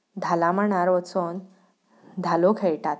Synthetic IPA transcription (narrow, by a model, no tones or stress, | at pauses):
d̪ʱalãm̤əɳ̃aɾʋət͡son | d̪ʱalokʰeɭʈat̪̚